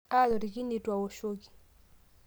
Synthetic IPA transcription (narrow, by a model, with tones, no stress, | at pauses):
a˦lɔ˨ɾi˨ki˦ni˨twa˨wɔ˨ʃo˦ki̥˨